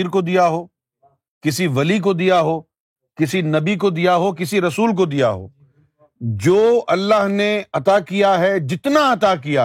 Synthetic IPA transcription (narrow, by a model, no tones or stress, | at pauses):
ɾkod̪ijaɦoː | kɪsiʋɐlik̬od̪ijaɦoː | kɪsinɐbik̬od̪ijaɦok̬ɪsiɾɐsuːlk̬od̪ija̰ɦo̰ː | d͡ʒoːʔɐlːaɦneɐt̪akijaɦɛd͡ʒɪt̪naɐt̪akija